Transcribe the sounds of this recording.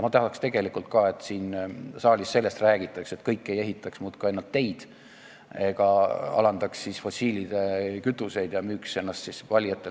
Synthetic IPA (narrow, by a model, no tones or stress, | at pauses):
mɑt̪ɑɦɑkst̪e̞ɡ̥e̞likult̪̚kɑe̞t̪siːnsɑːlʲisse̞lːe̞st̪ræːɡ̥it̪ːˑɑkse̞t̪kɤjkːˑe̞jeɦit̪ːˑɑksmuːt̪kɑenːɑlt̪ːe̞jd̪̥ | eɡ̥ɑɑ̰lɑnd̪̥ɑksːisfo̞sʲiːlid̪̥ekyt̪ːˑuse̞jd̪̥jɑmyːkse̞nːɑst̪sisvɑlʲjɑt̪ːˑe